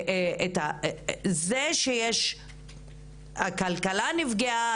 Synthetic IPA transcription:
eta | zeʃejeʃ | hakalkalanivɡea

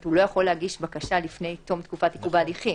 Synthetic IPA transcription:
tulo̞jaχo̞lːeaɡiʃbakaʃalifne̞jt̪o̞mt̪kufatikuvadiχi

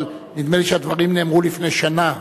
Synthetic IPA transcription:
l | nid̪meliʃead̪vaʁimne̞ːmʁulifnejʃana

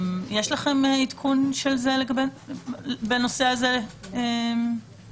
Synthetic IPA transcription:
jeʃlaχemit̪kʰunʃelzeleɡabe | beno̞seazeem

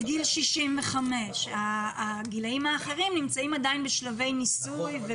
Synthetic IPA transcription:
ɡilʃiʃimveχame̞ʃaɡilaimaːχeʁimnimt͡saimad̪ajnbeʃlave̞jnisujve

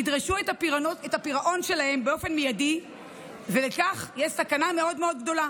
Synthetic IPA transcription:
idʁaʃuetapiʁoetapiʁaʔo̞nʃe̞lahe̞mbeo̞fe̞nmijadi | velekaχjeʃsakaname̞o̞dmeo̞dɡdo̞la

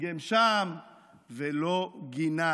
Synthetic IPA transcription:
ɡemʃam | veloɡina

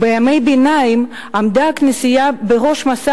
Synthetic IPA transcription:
bejamejbenaim | amd̪aknesijabeʁo̞ʃmasa

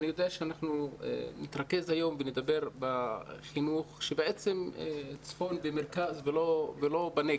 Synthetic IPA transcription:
nijo̞d̪eaʃeanaχnuḛnit̪ʁake̞zhajo̞mvened̪abe̞ʁbaχinuχʃebeʔet͡se̞mt͡sfo̞nbemeʁkazvelovelo̞bane

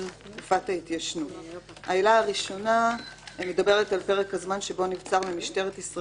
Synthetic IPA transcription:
ntkufatait̪jaʃnut | haelaːʁiʃo̞name̞dabe̞ʁetalpe̞ʁekhazmanʃe̞bo̞nivt͡saʁmimiʃte̞ʁetisʁa

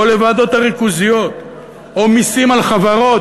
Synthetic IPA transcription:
ole̞vad̪o̞t̪aʁikuzijo̞t̪ | omisimalχavaʁo̞

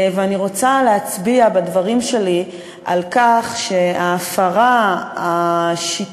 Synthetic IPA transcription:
veaniʁo̞t͡saleat͡sbiabadvaʁimʃe̞li | ʔa̰lkaχʃe̞aːfaʁaaʃit

